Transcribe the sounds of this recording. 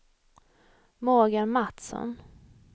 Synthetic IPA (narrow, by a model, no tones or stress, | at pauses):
moːɡamat̪sɔ̰n